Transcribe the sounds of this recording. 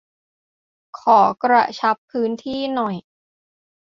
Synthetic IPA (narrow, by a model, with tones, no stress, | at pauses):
kʰɔː˩˦kɾa˧t͡ɕʰa˦˥pʰːɯː˦˥nt̪ʰiː˥˩nɔ˨˩j